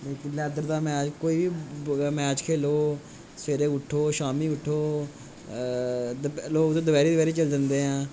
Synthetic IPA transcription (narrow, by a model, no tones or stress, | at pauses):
leːkɪnlɛːd̪əɾd̪aːmɛ̃ːd͡ʒkoːiːbiːmɛ̃ːət͡ʃkʰeːloː | seːɾeːʊʈʰːoːʃaːmiːʊʈʰːoː | loːkd̪õːd̪əbɛːɾiːd̪əbɛːɾiːt͡ʃəld͡ʒə̃nd̪eːɦãː